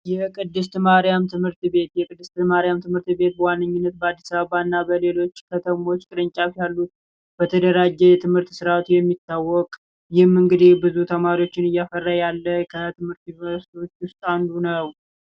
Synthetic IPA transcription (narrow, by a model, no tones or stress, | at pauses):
jɛkʼɨd̪ːɨst̪maɾijamt̪ʰɨmhɨɾt̪be̞t̪jɛkʼɨd̪ːɨst̪maɾijamt̪ʰɨmhɨɾt̪be̞t̪̚bəwanːɨɲːunːət̪̚bəad̪ːisaβəβaɨnːabəle̞lo̞t͡ʃːkʰət̪ʰəmo̞t͡ʃːkʼɨɾɨɲt͡ʃʼafjalːut̪ | bət̪ʰəd̪əɾad͡ʒːɛjɛt̪ʰɨmhɨɾt̪sɨɾat̪jɛmːit̪ːawːɔkʼ | jɪhmːɨŋɡɨd̪ibɨzut̪ʰəmaɾio̞t͡ʃːɪnɨjːafərːajalːəkʰət̪ʰɨmhɨɾt̪ɪvəɾst̪wot͡ʃːwʊst̪ʼand̪unəw